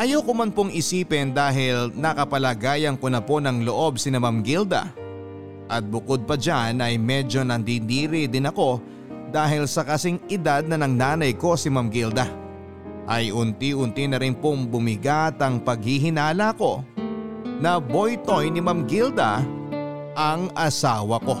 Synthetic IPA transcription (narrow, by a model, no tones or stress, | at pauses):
ʔɐjowkʊmɐnpoŋʔɪsiːpɛnd̪aːɦɪlnɐkɐpɐlɐɡaːjɐnko̞nɐpo̞nɐŋlo̞ʔo̞bsɪnɐmamɡild̪ɐ̰ | ʔɐt̪̚bʊkod̪̚pɐd͡ʒanʔɐjmɛd͡ʒo̞nɐnd̪iniːɾɪd̪ɪnɐko̞ | d̪aːɦɪlsɐkɐsɪŋʔɪd̪ad̪̚nɐnɐŋnaːnɐjko̞simamɡild̪ɐ | ʔɐjʔʊnt̪iʔʊnt̪inɐɾɪnpoŋbʊmɪɡat̪ɐŋpɐɡ̚hiɦɪnaːlɐko̞ | nɐbo̞jt̪o̞jnɪmamɡild̪ɐ | ʔɐŋʔɐsaːwɐko̞